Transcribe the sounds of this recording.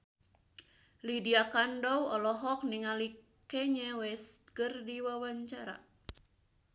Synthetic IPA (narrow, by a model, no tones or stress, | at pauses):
lidiakandɔwɔlɔɦɔk̚niŋali | kɛɲɛwɛskɨrdiwawaɲt͡ʃaɾa̰